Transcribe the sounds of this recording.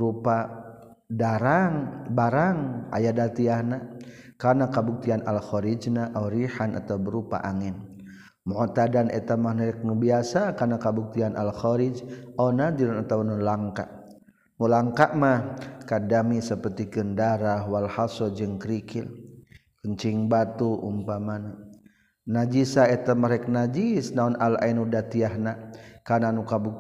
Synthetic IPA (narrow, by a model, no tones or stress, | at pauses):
bɾupa | daɾaŋbaɾaŋa̰jadat̪iahna | karnakabuk̚t̪ianʔalxɔɾid͡ʒnaʔawɾihanʔa̰t̪awbəɾupa̰ʔaŋɪn | mɔʔt̪adanʔɛt̪amahnaɾɛk̚ŋəbiasakarnakabuk̚t̪ianʔalxɔɾid͡ʒʔawnadiɾnat̪awnlaŋka̰ | nulaŋkaʔmahkadamisəpərt̪ikəndaɾaɦwalhasɔd͡ʒɨŋkɾikɪl | kəɲt͡ʃiŋbat̪uʔumpamana | nad͡ʒisaɛt̪amaɾɛk̚nad͡ʒisnaunʔala̰inudat̪iaɦnakananukabuk̚